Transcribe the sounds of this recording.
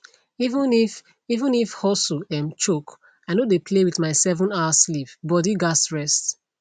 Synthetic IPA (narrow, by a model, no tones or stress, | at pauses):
ivə̃nif | ivə̃nifhɔsuɛ̃mt͡ʃok | aɪnodepʰlewiðmaɪsɛvɔ̃naslivbɔdiɡasɹɛst